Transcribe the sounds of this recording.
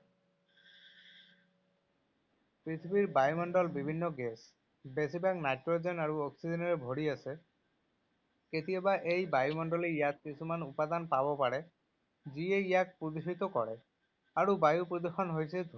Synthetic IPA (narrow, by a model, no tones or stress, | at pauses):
pɹit̪ʰibiɾbajumɔɳɖɔlbibʱinːɔɡes | besibaknajʈɾod͡ʒenaɹuɔksid͡ʒenɔɾebʱoɽiase | ket̪ijɔbaʔejbajumɔnɖɔlejat̪̚kisʰumanupad̪anpabɔpaɽe | d͡ʒieijak̚pud̪uʃit̪ɔkɔ̰ɽɛ | aɾubajupɾɔd̪uxɔnɦojsʰed̪ʱ